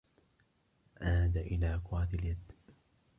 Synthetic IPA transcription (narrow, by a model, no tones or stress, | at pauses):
ʔaːd̪aʔɪlaːkʊaːd̪ɪljad̪ː